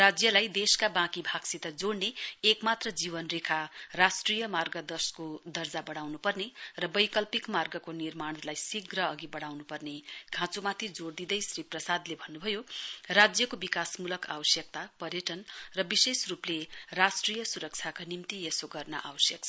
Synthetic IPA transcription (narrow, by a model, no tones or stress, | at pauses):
rad͡zjʌlajd̪eskabãkibʱaɡsit̪ʌd͡zoɽneːkmat̪rʌd͡zibʌnrekʰarasʈrijʌmarɡʌd̪ʌskod̪ʌrd͡zabʌɽ̃awnupʌrnerʌbʌjkʌlpikmarɡʌkonirmaɽ̃lajsiɡrʌːɡibʌɽ̃awnupʌrneɡʱãt͡somat̪ʰid͡zoɽd̪id̪ʌjsriprʌsad̪lebʱʌnːubʱʌjorad͡zjʌkobikasmulʌka̰wʌsjʌk̚t̪apʌrjʌʈʌnrʌbisesruplerasʈrijʌsuɾʌk̚t͡sʰakanimt̪iesoɡʌrnʌ̰ʔa̰wʌsjʌksʰ